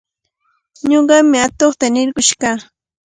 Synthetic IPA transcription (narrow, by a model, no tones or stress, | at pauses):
ɲoɢɑmɪat̪oχt̪anɪɾɢʊʃɢɑː